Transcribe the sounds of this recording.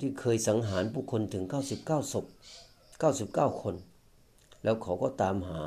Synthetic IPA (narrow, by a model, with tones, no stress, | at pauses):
t̪ʰiː˧˩kʰɤː˧jsa˩˦ŋɦaː˩˦nbʰuː˧˩kʰo˧nt̪ʰɯ˩˦ŋkaː˧˥˩wsi˨˦p̚kaː˥˩wso˧˦p̚ | kaː˥˩wsi˨˦p̚kaː˥˩wkʰo˧n | lɛː˧˥˩wkʰa˨˩˦wkɔː˧˥˩t̪aː˨˧mhaː˩˦